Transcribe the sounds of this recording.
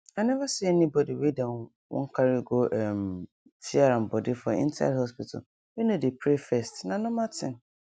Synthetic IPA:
anɛvasiɛnĩbɔdiwedãn | wʔɔ̰̃ŋkʰaɾiɡoʔɛm | tʰiaɾãm̩bɔdɪfɔḭ̃ntʰaa̰dhɔspitʰa̰ | wenõdepʰɾefɛstnãnɔ̃mãtʰɪ̰̃n

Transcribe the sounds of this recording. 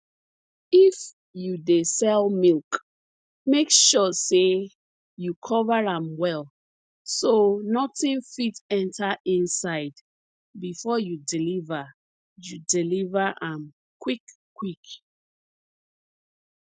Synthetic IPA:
if | judesɛlˠmilˠk | mekʃɔse | jukʰɔvəãmwɛlˠ | sonɔtĩnfitɛ̃ntʰaʔĩnsaɪd | bifɔjudilivə | judilivəʔãm | kʰwikʰː | wik

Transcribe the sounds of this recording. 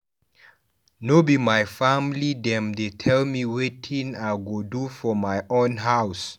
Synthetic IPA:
nobimajfamlidɛ̃mdetʰɛlmiwetʰĩnaɡodufɔmajʔõnɦaws

